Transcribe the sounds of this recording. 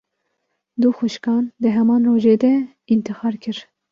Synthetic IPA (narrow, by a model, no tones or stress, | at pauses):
d̪uxʊʃkɑːnd̪ɨɦɛmɑːnroːʒeːd̪ɛ | int̪ɨxɑːɾkʰɨɾ